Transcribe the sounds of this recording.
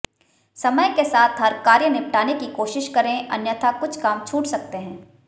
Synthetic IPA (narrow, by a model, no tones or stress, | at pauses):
sɐməjkesaːt̪ʰɦɐɾkaːɾjənɪpʈaːnekikoːʃɪʃkɐɾẽʔɐ̰njət̪ʰakʊt͡ʃʰkaːmt͡ʃʰuːʈsɐk̚t̪eɦɛ̃ː